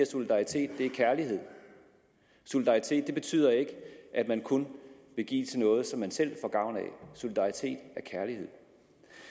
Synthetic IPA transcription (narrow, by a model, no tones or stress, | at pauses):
æso̝lid̥ɑ̈it͡sʰe̝̰ːd̥ːe̝æɐkʰæɐliɦe̝ð̰ˠ | so̝lid̥ɑ̈it͡sʰe̝̰ːd̥̚ːe̝b̥e̝t͡sʰy̰ð̰ˠɐe̝ɡ̥əʔæd̥mænkʰonb̥e̝ɡ̥ḭːt͡sʰe̝nɔ̽ːð̞̩ˠsɒ̽mːænsel̰fɒ̽ɡ̥ɑ̈ʊ̰nɛ̰so̝lid̥ɑ̈it͡sʰe̝̰ːd̥æɐkʰæɐlihe̝ð̰ˠ